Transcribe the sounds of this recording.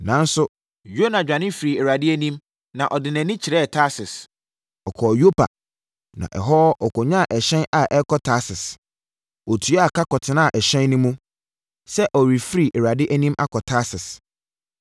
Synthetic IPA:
nã˨n̩˦sʊ˦ | jo˦nã˨d͡ʑᶣa˨nɪ̃˦fɾi˨ɛ˨ɾa˨dɪ˦æ˦nĩ˦m | nã˨ʔɔ˨dɪ˨nɛ̃˨nɪ̃˦t͡ɕʰɪ˨ɾɛ˦˨tʰa˦sɪ˨s | ɔ˨kʰɔ˨jo˦pʰa̰˨ | nã̰˨ʔɛ̰˨ɦɔ˦ʔɔ˨kʰɔ˨ɲã˦˨ʔɛ˨ɕɛ̃˦na˨ʔɛ˦kʰɔ˦tʰa˦sɪ˨s | ɔ˨tʰu˨˦a˨kʰa˦kʰɔ˨tʰɪ˦nã˦a˨ʔɛ˨ɕɛ̃˦nːʊ̃˦mũ˦ | sɛ˦ʔɔ˨ɾi˨fɾi˨ʔɛ˨ɾa˨dɪ˦ʔæ˦nĩ˦mʔa˦kʰɔ˨tʰa˦sɪ˨s

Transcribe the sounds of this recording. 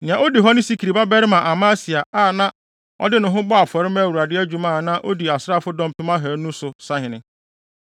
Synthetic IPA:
nɪ̃˨ã˨o˦di˨ɦɔ˦nɪ̃˦si˦kʰi˨ɾi˨ba˦bɛ˦ɾɪ˦mã˨ʔa˨mã˦si˨a˨aː˦˨nã˦ | ɔ̰˦dɪ˦nʊ̃˨ɦʊ̃˦bɔ˦a˨fɔ˨ɾɪ˦mæ˦˨wu˨ɾa˨dɪ˦æ˦d͡ʑᶣu˨mã˦˨nã˦ʔo˦di˨a˨sɾa˦˨fʊ˦dɔ̃˦m˦tʊ̃˦mã˦ɦæ˨˦nũ˦sʊ˨sa˦ɦɪ̃˨nɪ̃˦

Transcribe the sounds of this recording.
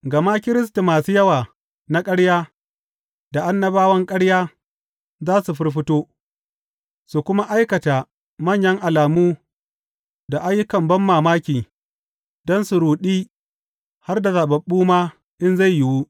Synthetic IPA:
ɡɐ˨ma˦kʲɪ˦ɾɪ˦s̬ta˨maː˨su˦jɐ˦waː˨ | na˦kʼɐ˦ɽjaː˦ | da˨ʔa˦nːɐ˦baː˦wɐ˦ŋkʼɐ˦ɽjaː˦ | zaː˦su˨ɸɪ˦rɸ̬ɪ˦toː˦ | su˨kʷʊ˦ma˦ʔa˦jkɐ˨taː˨ | mɐ˦˨ɲjɐ˦ŋʔa˨laː˨muː˦ | da˨ʔa˦jːʊ˦kɐ˨mbɐ˦mːaː˨maː˦kʲiː˨ | dɔ˦nsu˨ɾuː˨ɗiː˦ | ha˦rda˨za˨bɐ˨ɓːuː˦maː˦ | ʔɪ˦nza˦˨jjɪ˨wu˦

